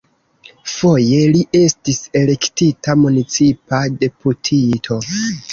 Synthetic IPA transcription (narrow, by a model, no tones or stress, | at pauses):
fo̞je̞liʔe̞stise̞le̞ktitamunit͡sipade̞putʰitʰo̞